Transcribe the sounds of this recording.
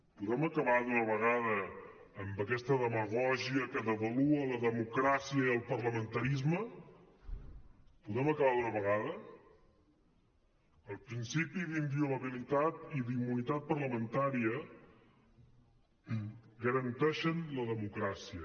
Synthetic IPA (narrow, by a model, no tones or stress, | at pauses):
puðɛməkəβaðunəβ̞əɣ̞aðəː | mbəkɛst̪əðəməɣɔʒiəkəðəβəluələðəmukɾasiəiəlˠpərləmənt̪əɾizmə | puðɛməkəβaðunəβəɣaðə | əlˠpɾinsipiðimbiuləβilit̪at̪iðimːunit̪at̪̚pərləmənt̪aɾiə | ɡəɾənt̪ɛʃənləðəmukɾasiə